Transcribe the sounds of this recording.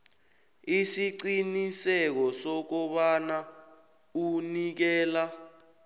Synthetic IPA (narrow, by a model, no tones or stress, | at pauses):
isiǀinisɛk̬ɔsɔk̬ɔɓana | unik̬ɛːla